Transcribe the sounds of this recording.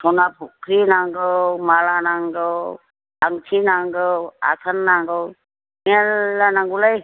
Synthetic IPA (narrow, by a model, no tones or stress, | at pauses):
sʰɔnapʰukʰɾinaŋɡɯmalanaŋɡəw | aŋt͡ʃʰinaŋɡɯwa̰kʰənːaŋɡəw | mialːanaŋɡulaj